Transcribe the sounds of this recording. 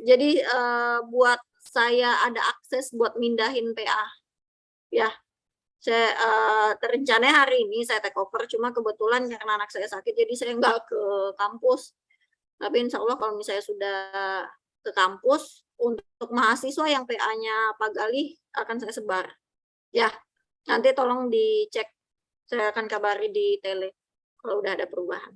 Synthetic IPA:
d͡ʒadiəbuat̪̚sajaadaʔak̚sɛsbuat̪̚mindaɦɪnpeʔa | ja | sajaʔəːt̪ərəɲt͡ʃanaɲaɦaɾiːnisajat̪əkofərt͡ʃumakəbət̪ulankaɾənaːnak̚sajasakɪt̪̚d͡ʒadisajaŋɡaʔkəkampʊs | t̪apinsaalːahkalomisajasuda | kəkampʊs | unt̪ʊk̚maɦasiswajaŋpeʔaɲapaɡalɪ | ʔakansajasəbar | ja | nant̪it̪olɔŋdit͡ʃɛk̚ | sajaːkankabaɾidit̪elɛ | kaloudahadapəɾuba̰ɦa̰n

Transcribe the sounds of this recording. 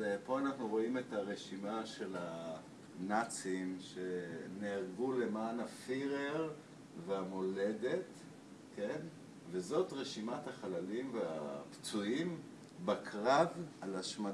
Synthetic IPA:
po̞anaχnuʁo̞ime̞taʁe̞ʃimaʃe̞la | nat͡simʃe̞neaʁɡule̞maːnafiʁeʁ | veamo̞le̞det | ken | ve̞zo̞tʁeʃimathaχalalimvea̰pt͡suim | bakʰʁavalaʃma

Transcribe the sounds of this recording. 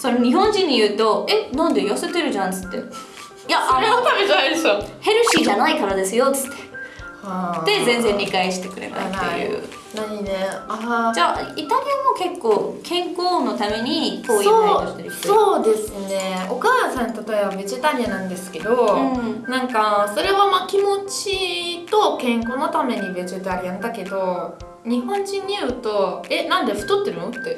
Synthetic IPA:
soɾeɲ̟iɦõ̞ɲ̟d͡ʑĩɲ̟ːijɯ̟ːt̪o̞e̞nãnd̪e̞jose̞t̪e̞ɾɯ̟ʑãnt͡sɨ̥t̪ːe̞̰ | jaʔaet̪ameaajsohe̞ɾɯ̟ɕiːʑanaikaɾad̪e̞sɨjo̞t͡sɨ̥t̪ʰːe̞̥hḁe̞zẽ̞nd͡zẽ̞ɲʲːikaiɕi̥t̪e̞kɯ̟ɾe̞̰t̪a̰t̪ːe̞̰jɯ̰ː | naɲinead͡ʑaːit̪aɾʲijamo̞ke̞kːoːkʰẽ̞ŋko̞ːno̞t̪ame̞ɲ̟ikoːiooɕt̪aɾi̥soːd̪e̞sɨne̞o̞kaːsãnt̪at̪o̞e̞babe̞ʑit̪aɾʲianãnd̪e̞sɨ̥ke̞d̪o̞nãŋkaso̞ɾe̞βamaːkʲimo̞t͡ɕit̪o̞kẽ̞ŋko̞no̞t̪ame̞ɲ̟ibe̞ʑit̪aɾʲijãnd̪ake̞d̪o̞ | ɲ̟ihõ̞ɲ̟d͡ʑĩɲ̟ːijɯ̟ːt̪o̞e̞nãnd̪e̞ɸɯ̟̥t̪o̞t̪ːe̞ɾɯ̟no̞t̪ːe̞

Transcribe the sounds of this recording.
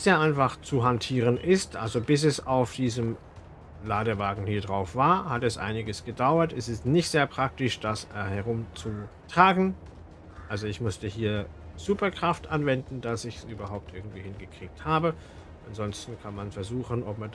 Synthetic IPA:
z̥eːɐʔaɪnfaχt͡suɦantʰiːʁ̞ənʔɪstʔa̰lzobɪs̬ɛsaʊfd̥iːzəm | laːdəvaːɡŋ̩hiːɐdʁaʊfv̥aːɐhatɛsʔa̰ɪnɪɡəsɡ̥ədaʊɐtɛsɛstnɪçtz̥eːɐpʁ̥ak̚tɪʃd̥ashɛʁʊmt͡sutʁ̥aːɡŋ̩ | ʔalzoɪçmʊstəhiːɐz̥uːpɐkʁ̥aftʔanvɛndn̩d̥asɪç̥sʔyːbɐɦaʊp̚tʔɪɐɡŋ̩tv̥iːhɪnɡəkʁ̥iːk̚thaːbə | ʔanzɔnstn̩kʰanmanfɛɐzuːxənɔpman

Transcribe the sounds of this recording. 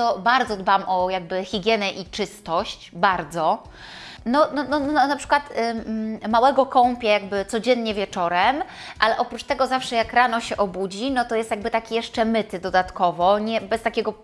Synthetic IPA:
t̪ɔbaɾd̪zɔd̪bamʔɔjaɡ̚bɘxʲiɡʲjɛnɛʔit͡ʂɘst̪ɔɕt͡ɕbaɾd̪zɔ | nɔnɔnɔnɔɔnapʂɘ̥kwat̪ | mawɛɡɔkɔmpʲjɛjaɡbɘt̪sɔd͡ʑɛnɲɛvʲjɛt͡ʂɔɾɛm | ʔalɛʔɔpɾut͡ʂt̪ɛɡɔzafʂɛjakɾanɔɕɛʔɔbud͡ʑinɔt̪ɔjɛst̪jaɡbɘt̪akʲijɛʂt͡ʂɛmɘt̪ɘd̪ɔd̪at̪kɔvɔɲɛbɛst̪akʲɛɡɔ

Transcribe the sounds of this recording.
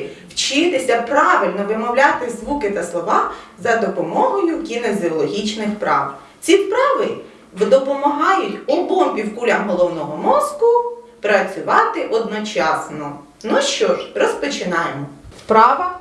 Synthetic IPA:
wt͡ʃɪt̪ɪsʲɐpɾɑʋɪlʲnɔʋɪmɔwlʲat̪ɪzʋukɪt̪ɐslˠɔʋɑzɐd̪ɔpɔmɔɦɔjʊkʲinezʲiɔlˠɔɦʲit͡ʃnɪxpɾɑ̰ʋ | t͡sʲipɾɑʋɪ | ʋd̪ɔpɔmɐɦɑjʊtʲɔbɔmʲpʲiwkulʲɐmɦɔlˠɔwnɔɦɔmɔzkʊ | pɾɐt͡sʲʊʋɑt̪ɪʔɔd̪nɔt͡ʃɑsnɔ | nuʃt͡ʃɔʒrɔspɔt͡ʃɪnɑjmɔspɾɑʋɐ

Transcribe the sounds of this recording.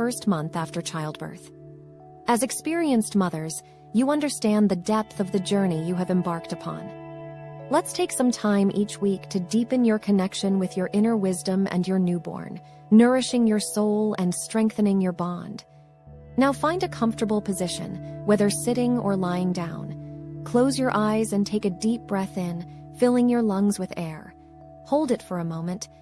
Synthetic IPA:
fɜ˞st̚mʌ̃nθæftə˞t͡ʃʰaɪlˠd̚bə̰˞θ | ʔɨzɨkspɪɹiɨ̃nstmʌðə˞z̥ | jɨʌ̃ndə˞stæ̃nðɨdɛp̚θʌvðɨd͡ʒɜ˞nijɨɨvɨ̃mbɑɹk̚tɨpʰɑ̰̃n | lətstʰeɪksʌ̃mtʰãɪ̃mʔit͡ʃwiktʰɨdipɨ̃njə˞kʰɨnɛkʃɨ̃nwɨðjə˞ʔɪ̃nə˞wɪzdə̃mʔɨ̰̃njə˞nʉbɔ̰ɹnː | ɜ˞ɨʃɪ̃ŋjə˞soʊlˠɨ̃nstɹ̥ɛ̃ŋk̚θɨ̃nɪ̃ŋjə˞bɑ̃nd̥ | naʊfãɪ̃ndɨkʰʌ̃ɱftə˞bl̩ˠpʰɨzɪʃɨ̰̃nwɛðə˞sɪɾɪ̃ŋə̰˞laɪɪ̃ŋdãʊ̃nkʰl̥oʊzjə˞ʔaɪzɨ̃ntʰeɪkɨdip̚b̥ɹɛθɪ̃n | fɪlˠɪ̃ŋjə˞lʌ̃ŋzwɨðɛɹ | hoʊlˠdɨtfə˞ɨmõʊ̃mɨ̃nʔ

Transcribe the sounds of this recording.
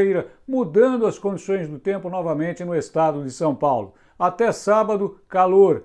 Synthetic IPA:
ejɾɐmud̪ɐ̃nd̪ʊɐskõd͡ʒisõj̃zd̪ʊt̪ẽmpʊnɔvɐmẽnt͡ʃɪnʊest̪ad̪ʊd̪ɪsɐ̃w̃pawlʊ | at̪ɛsabɐd̪ʊkaloɾ

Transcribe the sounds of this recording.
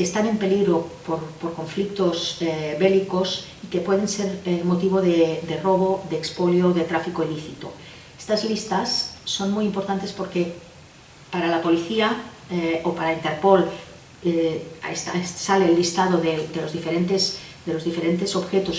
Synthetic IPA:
est̪ane̞mpe̞liɣɾo̞poɾpo̞ɾko̞ɱflik̚t̪o̞zβe̞liko̞s | ike̞pwe̞ð̞e̞nse̞ɾmot̪iβ̞o̞ðed̪e̞ro̞β̞o̞ðeːkspoljoðet̪ɾafikoiliθit̪o̞̰ | est̪azlist̪asːo̞nmujimpo̞ɾt̪ant̪e̞spo̞ɾke̞ | paɾalapo̞liθia | opaɾaint̪e̞ɾpo̞l | eest̪a̰ssaleːlːist̪að̞o̞ðed̪e̞lo̞zðifeɾe̞nt̪es | d̪elo̞zðife̞ɾe̞nt̪e̞so̞βxe̞t̪o̞s

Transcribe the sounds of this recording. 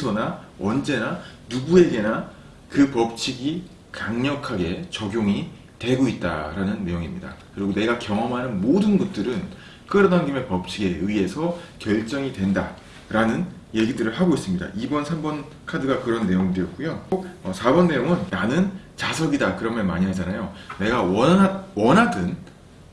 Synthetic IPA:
sʰʌna | ʌnd͡ʑe̞nanuɡue̞ɡe̞na | kɯpʌp̚t͡ɕʰiɡi | kaŋɲʌkʰaɡe̞t͡ɕʌɡjoŋi | twe̞ɡoit̚t͈a̰ɾanɯnːe̞joŋimɲḭda̰kɯɾiɡone̞ɡakjʌŋʌmɦanɯnmodɯnɡut̚t͈ɯɾɯn | k͈ɯɾʌdaŋɡime̞pʌp̚t͡ɕʰiɡe̞ɯie̞sʰʌkjʌɭt͡ɕ͈ʌŋitwe̞nda | ɾanɯn | je̞ɡidɯɾɯɭɦaɡois͈ɯmɲida̰ʔibʌnsʰambʌn | kʰadɯɡakɯɾʌnːe̞joŋidɯjʌt̚k͈ujok̚ʌsʰabʌnːe̞joŋɯnːanɯnt͡ɕasʰʌɡidakɯɾʌmjʌnmaɲiɦad͡ʑanajone̞ɡawʌwʌnɦadɯn

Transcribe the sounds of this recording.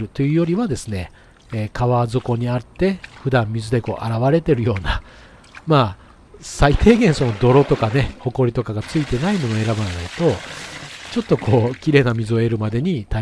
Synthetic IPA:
ɾɯ̟t̪o̞jɯ̟ːjoɾʲiβad̪e̞sɨne̞ː | kaβazɨko̞ɲ̟iat̪ːe̞ɸɯ̟d̪ãmmʲizɨd̪e̞ko̞̰ːʔaɾaβaɾe̞t̪e̞ɾɯ̟jo̞ːna | maː | sait̪e̞ːɡẽ̞ɰ̃so̞no̞d̪o̞ɾo̞t̪o̞kane̞ho̞ko̞ɾʲit̪okaɡat͡sɨit̪e̞naimo̞noe̞ɾabaɾanait̪o̞ | t͡ɕo̞t̪ːokʰo̞ːkʲiɾe̞ːnamʲizɨo̞e̞ɾɯ̟mad̪e̞ɲ̟it̪a

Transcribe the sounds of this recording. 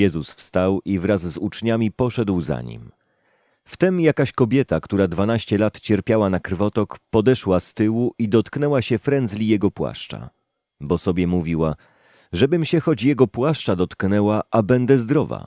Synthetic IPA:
jɛzusfst̪awivɾazzut͡ʂɲamʲipɔʂɛd̪wza̰ɲḭm | ft̪ɛmjakaɕkɔbʲjɛt̪akt̪uɾad̪vanaɕt͡ɕɛlat̪t͡ɕɛɾpʲjawanakɾvɔt̪ɔkpɔd̪ɛʂwast̪ɘwuʔid̪ɔt̪knɛwaɕɛfɾɛnd̪zlʲijɛɡɔpwa̰ʂt͡ʂa̰ | bɔsɔbʲjɛmuvʲiwa | ʐɛbɘmɕɛxɔd͡ʑjɛɡɔpwaʂt͡ʂad̪ɔt̪knɛwaʔabɛnd̪ɛzd̪ɾɔva̰

